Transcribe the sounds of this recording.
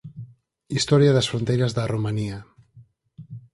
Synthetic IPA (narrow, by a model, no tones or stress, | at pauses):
ist̪ɔɾjaðasfɾont̪ejɾazðaromania